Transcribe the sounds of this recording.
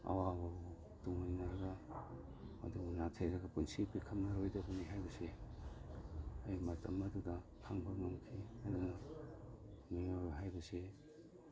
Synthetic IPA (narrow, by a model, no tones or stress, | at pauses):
ɐ̰wabɐb | tuŋjnɐɾɐɡɐ | ɐ̰duɡunatʰejɾɐɡɐpunsipːikʰɐmnɐɾojdɐbɐniɦajbɐse | ɐjmɐtɐmɐdudɐkʰaŋbɐŋɐmkʰihajdunɐ | minoɾɦajbɐse